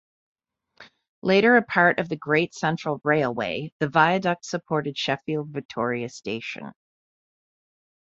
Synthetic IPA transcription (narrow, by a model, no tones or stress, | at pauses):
leɪɾə˞ɨpʰɑɹɾʔʌvðɨɡɹeɪtsɛ̃nt͡ʃɹ̥l̩ˠɹeɪlˠwḛɪðɨvaɪɨdʌk̚tsɨpʰɔɹɾɨd̥ʃɛfilˠdvɨk̚tʰɔɹiɨsteɪʃɨ̰̃n